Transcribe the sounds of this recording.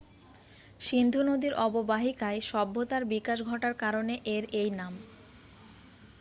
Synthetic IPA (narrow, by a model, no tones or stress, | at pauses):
ʃind̪ʱunod̪iɾʔɔbobaɦikaeʃɔbːot̪aɾbikaʃɡʱɔʈaɾkaɾoneʔeɾejnam